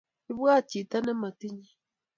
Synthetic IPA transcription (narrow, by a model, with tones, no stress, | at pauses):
i˦βwa˦˨t͡ʃi˨ta˦nɛ˦ma˨ti˦ɲi˦